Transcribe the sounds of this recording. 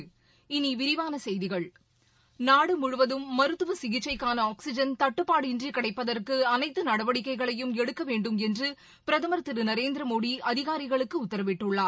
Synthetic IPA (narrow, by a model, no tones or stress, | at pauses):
ɪniʋɪɾɪʋaːnɐsɛjðɪɣɐɭ | naːɽɯmʊɻʊʋɐðɯmːɐɾɯt̪ːɯʋɐsɪɣɪt͡ʃːɐɪkːaːnɐaːksɪd͡ʒɐnt̪ɐʈːɯpːaːɽɪndrikɐɽɐɪpːɐðɐrkɯɐnɐɪt̪ːɯnɐɽɐʋɐɽɪkːɐɪɣɐɭɐjɯmɛɽɯkːɐʋeːɳɖɯmɛndrɯ | pɪɾɐðɐmɐɾɐt̪ːɯɾɯnɐɾeːnd̪ɾɐmoːɽiʔɐðɪɣaːɾɪɣɐɭɯkːɯʊt̪ːɐɾɐʋɪʈːɯɭːaː